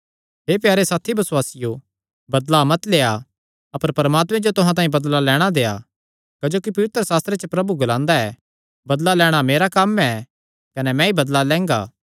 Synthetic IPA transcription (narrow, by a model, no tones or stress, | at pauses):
ɦeːpjaːɾesaːt̪ʰibɐsʊwaːsɪjo | bɐd̪lamɐt̪leːa | ɐpəɾpɐɾɐmaːt̪mɛ̃d͡ʒot̪ʊɦãt̪ãːĩbɐd̪lalɛːɽ̃ad̪eːa̰ | kɐd͡ʒoːkipɐʋɪt̪ɾəsaːst̪ɾet͡ʃəpɾɐbuɡʊlãːnd̪aɛ | bɐd̪lalɛːɽ̃ameːɾakɐmɛ | kɐnɛmɛ̃ibɐd̪lalɛ̃ːŋɡa̰ː